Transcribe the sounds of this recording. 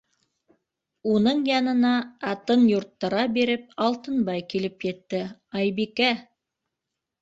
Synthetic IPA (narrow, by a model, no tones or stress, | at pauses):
unɤɴjɑnɤ̆nɑːt̪ɤnjuɾt̪ːɤ̆ɾɑbiɾɘp̚ɑlˠt̪ɤnbɑjkilɘpjɘ̆t̪ːɘɑjbikæ